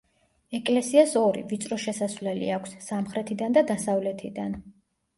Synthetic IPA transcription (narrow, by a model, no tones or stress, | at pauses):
ɛkʼlɛsiasɔɾḭvit̪sʼɾɔʃɛsasvlɛlḭakʷʰsːamχɾɛt̪ʰid̪and̪ad̪asavlɛt̪ʰid̪an